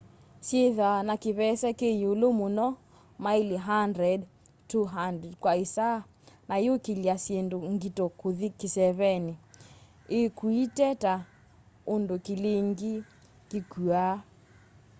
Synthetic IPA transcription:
sjeðanakeβɛsɛkejolomonɔ | maileɦandɾɛd | tuɦandɛdkwaesa | najokeliasjendoŋɡitokoðikesɛβɛni | ekuitɛta | ondokeleŋɡi | kekua

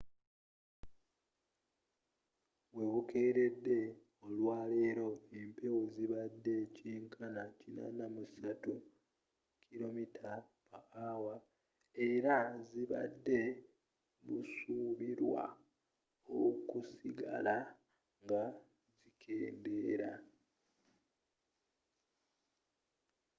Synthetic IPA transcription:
βwe̞βuke̞ːɾe̞dːe̞ | olwaːle̞ːɾo̞empewuziβadːe̞ciːŋkʰanacina̰namusatu | kʰilo̞mitʰa | maawa | eɾaziβa̰dːe̞ | βusuβiɾwa̰ | okusiɡa̰la | ŋɡa | zikʰe̞ːnde̞ɾa̰

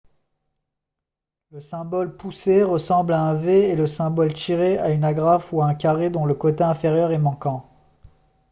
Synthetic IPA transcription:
ləsɛ̃bɔlpuseʁəsɑ̃blaɛ̃veːləsɛ̃bɔlt̪iʁeaynaɡʁafuaɛ̃kʲaʁed̪ɔ̃ləkot̪eɛ̃feʁjœʁɛmɑ̃kɑ̃

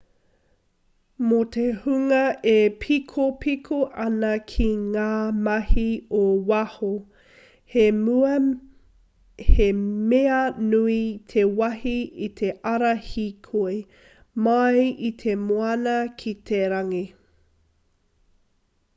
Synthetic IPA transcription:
motʰehʉŋɐepʰikʰopʰikʰoʔɐnɐkʰiŋaːmɐhiowɐho | hemeɐnuitʰewɐhiit̪ʰeʔɐɾɐhikʰoe | mɐjit̪ʰemoɐnɐkʰitʰeɾɐŋi

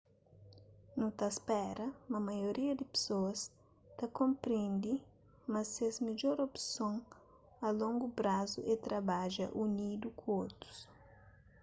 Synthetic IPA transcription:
nũt̪aspɛɾɐmɐmɐjoɾiɐd̪ɪpe̥soɐs | t̪ɐkõmpɾẽnd̪i | mɐsezmeʎoɾopsõŋ | ɐlõŋɡupɾazṵʔet̪ɾɐbaʒɐ̰ʔunid̪ukũot̪ɾu̥s

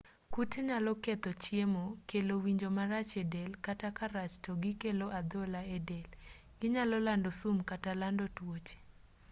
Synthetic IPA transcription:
kuteɲalɔket̪ɔt͡ʃjemokelowiɲd͡ʒomaɾat͡ʃedelkatakaɾat͡ʃtɔɡɪkeloʔad̪olaedel | ɡ̥ɪɲalɔlandosumkatalandotwot͡ʃe̥

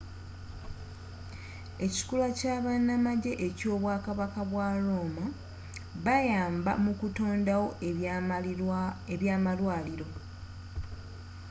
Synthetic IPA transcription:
e̞ci̥kulwacaːβanːamaɟe̞ʔeco̞ːβwaːkaβakaβwaɾo̞ːma | βajaːmba̰mukuto̞ːndawo̞ | eβjaːmalwaːliɾo̞

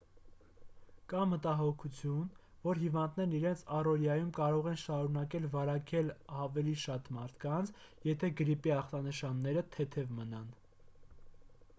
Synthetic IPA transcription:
kɑmət̪ɑɦɔkʰut͡sʰjun | vɔɾɦivɑnd̪nɛɾniɾɛnt͡sʰɑrɔljɑjumkɑɾɔʁɛnʃɑɾunɑkɛlvɑɾɑkɛlɑvɛliʃɑt̪mɑɾt̪ʰkɑnt͡sʰ | jɛt̪ʰɛɡəɾipiɑχt̪ɑnəʃɑnːɛɾət̪ʰɛt̪ʰɛvmənɑn

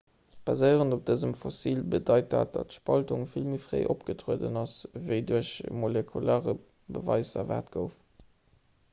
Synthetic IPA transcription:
b̥ɑzəɪəʁəndop̚d̥əzəmfosiːlbədɑɪt̚da̰ːt̚d̥ɑtʃpɑltuŋfilmifʁḛɪʔopɡ̥ətʁuədə̰nɑsvəɪduəɕmolekʰulaːʁə | bəvɑɪzɐ̰va̰ːtɡ̥əʊf

